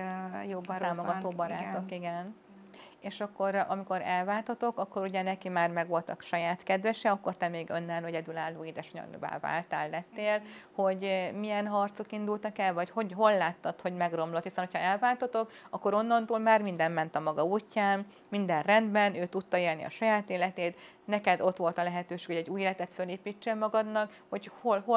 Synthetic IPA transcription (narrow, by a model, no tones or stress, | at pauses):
job̪aːmoɡɒt̪oːbɒɾaːt̪okiɡɛn | eːʃɒkːo̞ɾɒ̰miko̞ɾɛlvaːlt̪ɒt̪o̞kɒkːo̞ɾuɟɛnɛkimaːrmɛɡʋo̞lt̪ɒ̰kʃɒjaːt̪kɛd̪vɛʃɛɒkːort̪ɛmeːɡønːɛlɛɟɛd̪ylaːlːoːid̪ɛʃoɲɒ̰nva̰ːva̰ːlt̪aːlːɛt̪ːeːlho̞ɟmijɛnɦɒrt̪so̞kind̪ult̪ɒkɛlvɒchoɟɦo̞lːaːt̪ːɒt̪ho̞ɟmɛɡro̞mlo̞t̪hisɛnho̞cʰhɒɛlvaːlt̪ɒt̪o̞kɒkːo̞ɾo̞nːɒnt̪uːlmaːrmind̪ɛmmɛnt̪ɒmɒɡɒuːcːaːmː | ind̪ɛnrɛnd̪bɛnøːt̪ut̪ːɒeːlnḭɒ̰ʃɒjaːt̪eːlɛt̪eːt̪ | nɛkɛd̪o̞t̪ʋo̞lt̪ɒlɛɦɛt̪øːʃe̥ːkhoɛɟːuːjeːlɛt̪ɛt̪føleːpiːt͡ʃːelmɒɡɒd̪nɒk | ho̞cho̞lɦo